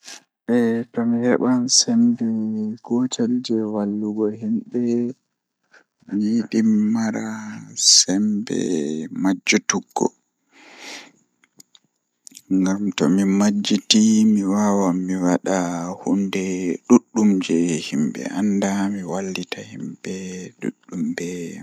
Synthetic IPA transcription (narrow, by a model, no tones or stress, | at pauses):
ʔɛtɔmihɛɓansɛmbɛɡɔtald͡ʒɛwalːuɡɔhimɓɛ | mijiɗimːaɾasɛmbɛ̰mad͡ʒːutuɡːɔ̰ | ŋɡamtɔmimad͡ʒːitimiwawamːiwaɗahundɛɗuɗːumd͡ʒɛhimbɛ̰ʔandamiwalːditahimbɛɗṵɗːumbɛ